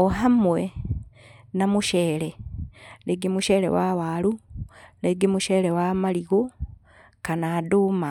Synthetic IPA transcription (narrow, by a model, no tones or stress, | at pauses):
oɦamwe | namuʃeːleleɡimuʃeɾḛwaβaluleɡimuʃelewamaliɣo | kanaduːma